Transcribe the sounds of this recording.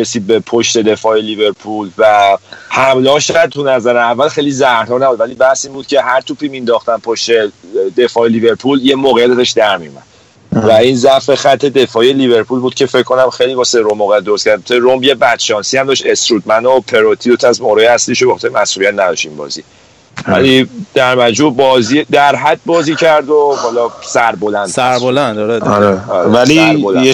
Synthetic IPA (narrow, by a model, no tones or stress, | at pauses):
ɾesiːd̪̚be̞pʰo̞ʃt̪e̞d̪e̞fɒːjelive̞ɾpʰulvæhæmlɒːʃɔjæd̪̚t̪ʰunæzæɾeævːælxe̞jlizæɾt̪ɒːnæbud̪væliːbæhsiːnbuːd̪̥̚cʰe̞ɦæɾt̪ʰupʰimind̪ɒːχt̪ænpʰoʃt̪e̞d̪e̞fɒːelive̞ɾpʰuljemoːɣejæt̪æzɒʃd̪æɾmijomæ̰d̪̥ | væinzæfe̞xæt̪ʰːe̞d̪e̞fɒːje̞live̞ɾpʰulbuːd̪̥̚cʰe̞fe̞cʰkʰːo̞næmxejliːbɒseɾomːoːɣejæt̪̚d̪ooskcʰæɾd̪t̪ʰeɾombje̞bæd̪ʃɒːnsiæmd̪ɒʃt̪e̞st̪ɾuːd̪̚mænopʰe̞ɾot̪ʰiot̪ʰæzmoɾɒːjeæsliʃobexɒt̪ʰeɾmæhsʔulijæt̪næd̪ɒ̰ʃt̪inbɒ̰ːzḭ | væ̰lid̪̥æɾmæd͡ʒmubɒːzid̪æɾɦæd̪̚bɒːziːcʰæɾd̪ohɒlɒsæɾbolænd̪sæɾbolænd̪ɒɾeɒɾeɾvæliɾbol